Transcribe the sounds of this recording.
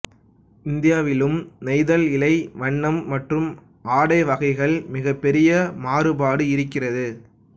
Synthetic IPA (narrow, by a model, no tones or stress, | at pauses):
ɪnd̪ɪjaːʋɪlɯmnɐɪðɐlɪlɐɪʋɐɳːɐmːɐʈrɯm | ʔaːɽɐɪʋɐɣɐɪɣɐɭmɪɣɐpːɛɾɪjɐmaːrɯbaːɽɯɪɾɯkːɪrɐðɯ